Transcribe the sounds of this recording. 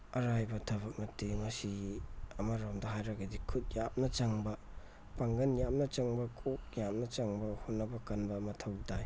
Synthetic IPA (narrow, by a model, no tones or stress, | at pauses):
ɐɾajbɐtʰɐβɐk̚mɐtːimɐsiɐmɐɾamdɐɦajɾɐɡɐdikʰut̚jap̚nɐt͡ʃɐŋbɐ | paŋɡɐnjam̚nɐt͡ʃɐŋbɐkʰok̚jap̚nɐt͡ʃɐŋbɐhot̚nːɐbɐkɐnbɐːmɐtʰɐwdaj